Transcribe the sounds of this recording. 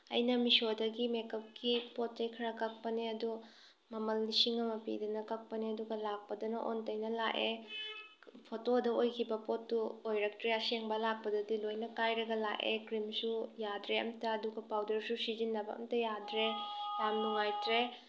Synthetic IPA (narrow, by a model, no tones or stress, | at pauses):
ɐ̰jnɐmisodɐɡimekɐp̚kipot̚t͡ʃɐjkʰɐɾɐkɐk̚pɐniɐdu | mɐmɐlːisiŋɐmɐpḭdɐnɐkɐk̚pɐniɐduɡɐlak̚pɐdɐnɐʔo̰ntɐjnɐlake | pʰotodɐojkʰibɐpotːuojɾɐk̚tɾeɐseŋbɐlak̚pɐdɐdilojnɐkajɾɐɡɐla̰ʔḛkɾimsujadɾeɐ̰mtɐɐduɡɐpawdɐɾsusizinːɐbɐɐ̰mtɐjadɾejamnuŋajtɾe